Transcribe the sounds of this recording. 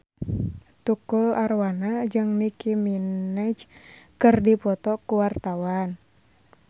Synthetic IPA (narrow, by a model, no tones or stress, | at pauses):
t̪ukularwanad͡ʒɨŋnikiminat͡ʃkɨrdipɔt̪ɔkuwart̪awan